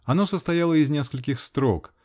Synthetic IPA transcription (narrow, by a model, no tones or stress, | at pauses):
ɐno̞səst̪ɐjalˠəɪznʲe̞skəlʲkʲɪxst̪ɾo̞̰k